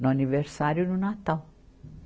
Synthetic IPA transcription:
nuaniveɾsaɾjununat̪al

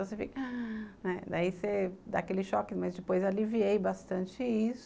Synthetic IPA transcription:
õsefikɐnɛd̪aised̪a̰ːkelɪʃɔkɪmɐzd͡ʒɪpojzaliviejbast̪ɐ̃t͡ʃɪis

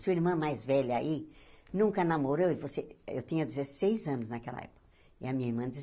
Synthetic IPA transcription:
suiɾmɐ̃majzvɛʎɐa̰inũŋkɐnamoɾewɪvoseḛwt̪ĩɲɐd̪izesejzɐ̃nʊznɐkɛlɐ̰ɛ̰pʊ̥kɐ | ɪɐmĩɲɐiɾmɐ̃d͡ʒiz

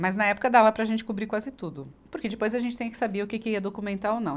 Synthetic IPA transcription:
mɐznɐɛpʊ̥kɐd̪avɐpɾɐːʒẽnt͡ʃɪ̥kubɾikwazɪt̪ud̪ʊ | pʊɾked͡ʒɪpojzɐʒẽnt͡ʃɪ̥t̪ẽɲ̃ɐkɪsabeʊkekɪiɐd̪okumẽnt̪aɾownɐ̃w̃

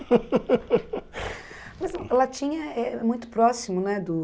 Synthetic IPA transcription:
mɐzɐ̃lat͡ʃĩɲɐɛmũj̃t̪ʊ̥pɾɔsimʊnɛd̪ʊ

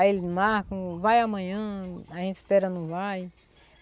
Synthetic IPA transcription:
elmahkɐ̃vajamɐ̃ɲɐ̃aʒẽt̪i̥spɛɾɐnũvaj

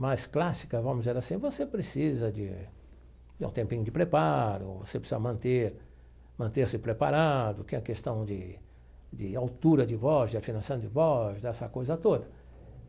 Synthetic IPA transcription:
mɐsklasi̥kɐvɐ̃mʊzdzeɾasĩvosepɾesizɐd͡ʒɪ̰ | d͡ʒɪṵ̃t̪ẽmpĩɲʊd͡ʒɪpɾepaɾʊ̰vo̰sepɾɪsizɐmɐ̃nt̪eɾ | mɐ̃nt̪eɾsɪpɾepa̰ɾad̪ʊkɪɛ̃kest̪ɐ̃w̃d͡ʒɪ | d͡ʒɪawt̪uɾɐd͡ʒɪvɔzd͡ʒɪafinɐ̃sɐ̃w̃d͡ʒɪvɔzd̪ɛsɐkojzɐt̪od̪ɐ

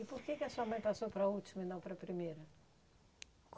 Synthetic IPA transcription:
ipoɾkekɪɐsuɐmɐ̃j̃pasowpɾɐut̪imɐinɐ̃w̃pɾɐpɾimejɾɐ | k

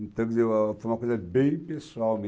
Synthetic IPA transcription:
t̪ɐ̃ɡzefɐmɐkojzɐbẽj̃pesuawmi

